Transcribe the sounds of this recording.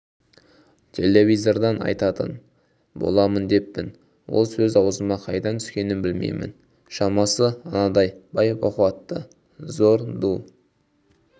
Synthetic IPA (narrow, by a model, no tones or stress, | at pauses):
t̪ʲʰe̞le̞vʲijzo̞ɾd̪ɑnɑ̰jt̪ɑt̪ə̰n | bo̞̰lˠɑmənd̪e̞pːɪn | wo̞lˠsɵzɑwəzəmɑqʰɑjd̪ɑt̪ʰʏ̥skʲe̞nɪnbɪlmḛjmɪ̰n | ʃɑmɑsəɑnɑd̪ɑjbɑjəpoquɑt̪ːə | zo̞ɾd̪u